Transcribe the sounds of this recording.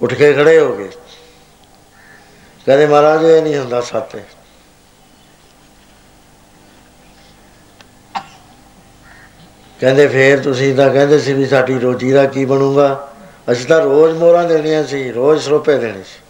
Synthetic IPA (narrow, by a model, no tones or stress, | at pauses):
ʊʈʰkeːkʰəɽeːɦoːɡḛː | kɛ̃ːd̪eːmaːɾaːd͡ʒoːeːnĩːɦʊnd̪aːsət̪ː | kɛ̃ːnd̪eːpʰeːɾt̪ʊsĩːt̪̬ãːkɛ̃ːnd̪eːsiːbiːsaːɖiːɾoːt͡ʃiːd̪aːkiːbənũːɡaː | əst̪ãːɾoːd͡ʒmoːɾãːd̪eːɽɪjãːsiːɾoːd͡ʒsɾoːpeːd̪eːɽ̃eːs